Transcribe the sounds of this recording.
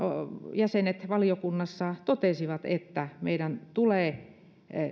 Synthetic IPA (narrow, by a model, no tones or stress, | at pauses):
ojæsenet̪ʋɑlijokunːɑsːɑt̪ot̪esiʋɑt̪et̪ːæmḛiɾænt̪uleː